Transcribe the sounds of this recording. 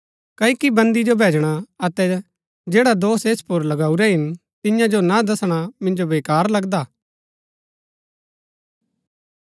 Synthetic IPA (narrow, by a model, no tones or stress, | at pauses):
kɐikibɐ̃nd̪id͡ʒobʱeːd͡ʒɽ̃aɐt̪ɛ | d͡ʒeːɽad̪oːseːspʊɾlɐɡaːuɾɛɦɪn | t̪ɪ̃jãd͡ʒonad̪ɐsɽ̃amɪ̃nd͡ʒobeːkaːɾlɐɡd̪aː